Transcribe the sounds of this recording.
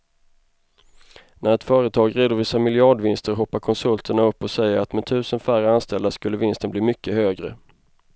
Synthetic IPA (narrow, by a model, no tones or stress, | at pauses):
nʔæɾɛt̪fœːɾət̪ʰɑːɡɾeːd̪əɾvɪsːamɪlɪɑɖvɪnst̪əɾɦɔpːaɾkʰɔnsɵlt̪ʰəɳaɵpːɔsɛjːəɾat̪mɛt̪ʰʉ̟ːsənfæɾəanst̪ɛld̪aʂkɵlːəvɪnst̪ənbliːmʏkʰːəhøːɡɾə̰